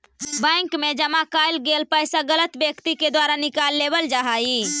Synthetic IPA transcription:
bə̃ŋkmed͡ʒəmakajlɡelpəjsaɡələt̪bjəkt̪iked̪waɾanikalːebəld͡ʒaɦai

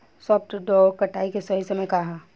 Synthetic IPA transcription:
sɔːpʈɖɔːkɐʈʰaːikesɐɦisemẽkaɦa

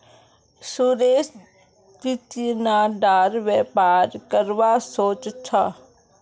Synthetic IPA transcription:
suɾeːs | kit̪inaɖaːɾʋeːpaːɾkəɾʋasoːt͡ʃt͡ʃʰa

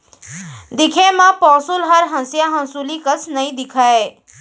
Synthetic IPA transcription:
d̪ɪkʰemãpɔːsulɦəɾɦə̃nsjaɦə̃nsulikəsnəɦĩd̪ɪkʰae

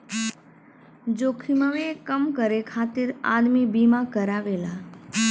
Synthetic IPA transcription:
d͡ʒoːkʰiməʋekəmkəɾekʰaːt̪ɪɾa̰ːd̪mibiːmakəɾaːʋeːlaː

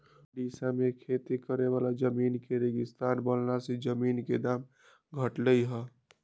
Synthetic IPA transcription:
ɖisamekʰet̪ikəɾeʋalad͡ʒəminkeɾeɡɪst̪anbəlnased͡ʒəminked̪am | ɡʱəʈləjɦə

